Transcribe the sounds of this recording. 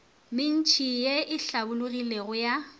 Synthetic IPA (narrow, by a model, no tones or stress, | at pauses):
mɪn̩t͡ʃʼijeʔɪɬabʊlʊɣileɣʊja